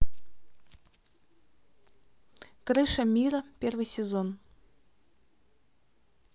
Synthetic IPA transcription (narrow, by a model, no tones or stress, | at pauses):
krɨʂɐmʲirɐpʲervɨjsʲezon